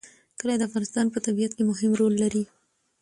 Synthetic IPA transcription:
kəlad̪əafɣɑnɪst̪ɑnpət̪abijat̪kemʊɦɪmɾolːaɾi

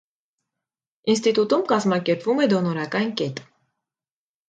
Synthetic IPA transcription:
inst̪it̪ut̪umkɑzmɑkɛɾpvumɛd̪ɔnɔɾɑkɑnkɛt̪

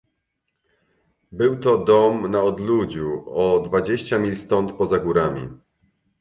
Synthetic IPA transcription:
bɘwt̪ɔd̪ɔmnaɔd̪lud͡ʑuɔd̪vad͡ʑeɕt͡ɕamʲilst̪ɔnt̪pɔzaɡuɾamʲḭ

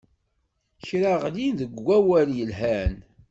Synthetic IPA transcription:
çɾaʁlinðəɡːæwæljəlɦæn

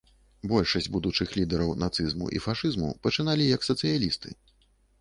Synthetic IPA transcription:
bɔlʲʂɐsʲd͡zʲbud̪ut͡ʂɨxlʲid̪ɛɾɐwnat̪sɨzmṵʔḭfaʂɨzmṵpɐt͡ʂɨnalʲijɐksɐt̪sɨjalʲist̪ɨ

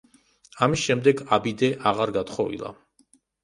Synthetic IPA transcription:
amisʃɛmd̪ɛɡabid̪ɛʔaʁaɾɡat̪χɔvḭlˠa̰

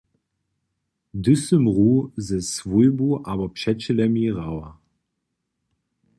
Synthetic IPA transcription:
d̪ʏsəmʁuːzɛsvujbuʔaːbɐpʃɛt͡ɕəlɛmiʁawa

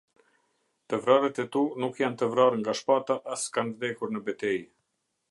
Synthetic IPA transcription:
t̪əvɾaɾət̪ɛt̪unukjant̪əvɾarŋɡaʃpat̪aʔaskanvd̪ɛkuɾnəbɛt̪ɛj

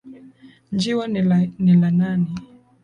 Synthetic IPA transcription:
ɲd͡ʒiwanilananɛ

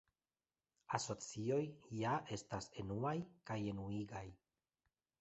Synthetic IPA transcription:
aso̞t͡sio̞jjae̞stase̞nuajkaje̞nuiɡaj

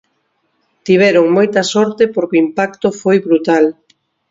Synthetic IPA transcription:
t̪iβɛɾʊŋmojt̪ɐsɔɾt̪epoɾkoimpak̚t̪ofojβɾut̪al

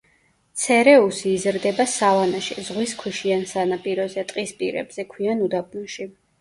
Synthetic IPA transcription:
t̪sʰɛɾɛusiːzɾd̪ɛbasavanaʃizʁwiskʰwiʃiansanapʼiɾɔzɛt̪ʼqʼispʼḭɾɛ̰bz̥ɛkʰwianud̪ab̚nuʃi

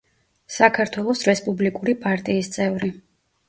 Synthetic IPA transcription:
sakʰaɾt̪ʰwɛlˠɔsɾɛspʼublikʼuɾipʼaɾt̪ʼiːst̪sʼɛvɾi

